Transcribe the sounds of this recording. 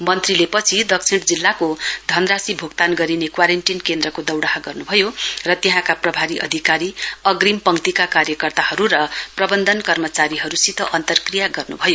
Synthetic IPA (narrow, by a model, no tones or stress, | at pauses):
mʌnt̪rilepʌt͡sʰid̪ʌk̚t͡sʰiɳʈd͡zilːakod̪ʱʌnrasibʱoɡt̪anɡʌɾinekwaɾeɳʈinkend̪ɾʌkod̪ʌwɽaɦaɡʌrnubʱʌjorʌt̪eɦãkaprʌbʱaɾiʔʌ̰d̪ʱikaɾiʌɡrimpʌŋt̪ikakaɾjʌkʌrt̪ahʌɾuɾʌprʌbʌnd̪ʱʌnkʌrmʌt͡saɾiɦʌɾusit̪ʰʌʔʌnt̪ʌrkrijaɡʌrnṵbʱʌjo